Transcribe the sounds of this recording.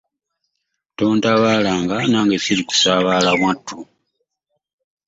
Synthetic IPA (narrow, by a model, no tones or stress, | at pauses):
to̞ːntaβaːlaːŋɡanaːŋɡesiliku̥saːβaːlaβwatːu